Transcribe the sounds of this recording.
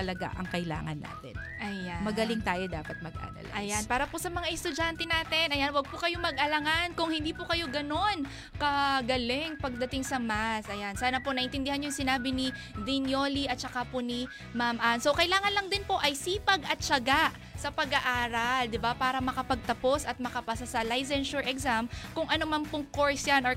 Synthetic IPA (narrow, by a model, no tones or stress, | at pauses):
ɐlɐɡa̰ʔɐ̰ŋkɐjla̰ːŋɐ̰nːa̰ːt̪ɛ̰nʔɐjamɐɡɐlɪŋt̪aːjod̪aːpɐt̪̚mɐɡ̚ʔa̰ːɾɐ̰lʔɐjanpaːɾɐposɐmɐŋaʔɛst̪ʊd͡ʒant̪ɛnaːt̪ɛnʔɐjanwɐɡ̚pokɐjo̞mɐɡ̚ʔɐlɐŋankʊŋhɪnd̪iːpokɐjo̞ɡɐno̞n | kɐɡɐlɛŋpɐɡ̚d̪ɐt̪ɪŋsɐmasʔɐjansaːnɐpo̞nɐʔɪnt̪ɪnd̪ɪhanojʊŋsɪnaːbɪnid̪ɪnjo̞liʔɐt̪̚t͡ʃɐkaponi | mamʔanso̞wkɐjlaːŋɐnlɐŋd̪ɪnpo̞ʔɐjsiːpɐɡɐt̪̚t͡ʃɐɡaʔ | sɐpɐɡaʔaːɾɐld̪ɪbapaːɾɐmɐkɐpɐɡ̚t̪ɐpo̞sɐt̪̚mɐkɐpasasɐlajsɛnʃʊɹʔɛksamkʊŋʔɐnomɐmpʊŋko̞ɹsjano